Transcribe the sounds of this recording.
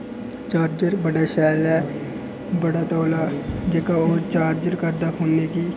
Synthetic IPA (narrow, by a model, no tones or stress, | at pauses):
t͡ʃaːɾd͡ʒəɾbəɖaːʃɛːlɛː | bəɽaːt̪oːlaːd͡ʒeːkaːoːɾt͡ʃaːɾd͡ʒəɾkəɾd̪aːfʰoːnneːkiː